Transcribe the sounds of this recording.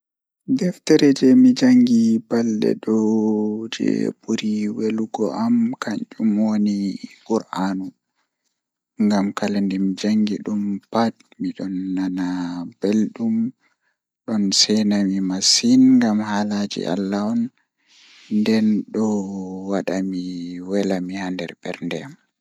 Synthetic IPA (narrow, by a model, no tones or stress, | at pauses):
dɛftɛɾɛd͡ʒɛmid͡ʒaŋɡibalɗɛ̰ɗɔ | d͡ʒɛ̰buɾiweluɡɔʔamkaɲt͡ʃʼumonikuɾʔanu | ŋɡamkalandɛmid͡ʒaŋɡiɗumpat | miɗɔnːanab̥elɗum | ɗɔnsɛnamimasinŋɡamhalad͡ʒḭʔa̰lːaɔn | ndɛnɗɔwaɗamiwɛlamihandɛɾbɛ̰ɾndɛam